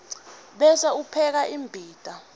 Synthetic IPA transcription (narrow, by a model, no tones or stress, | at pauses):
ɓɛsaupʰɛk̬aʔimbʱiːd̥ʱʼa